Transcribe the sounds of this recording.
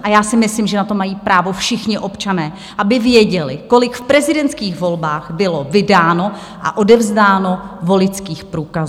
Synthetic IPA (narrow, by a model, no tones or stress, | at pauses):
ʔajaːsɪmɪslimʒɛnat̪o̞majiːpɾaːvo̞fʃɪxɲɪʔo̞pt͡ʃanɛː | ʔabɪvjɛɟɛlɪko̞lɪkfpɾɛzɪdɛntt͡skiːɣvo̞lbaːxbɪlo̞vɪdaːno̞ | ʔa̰ʔo̞dɛvzdaːno̞vo̞lɪt͡skiːxpɾuːkazu